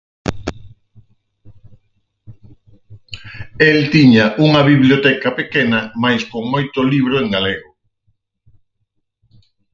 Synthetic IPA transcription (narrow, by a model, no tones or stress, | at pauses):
elt̪iɲɐʔuŋɐβiβljot̪ɛkɐpekenɐmajskoŋmojt̪ʊliβ̞ɾʊeŋɡaleɣʊ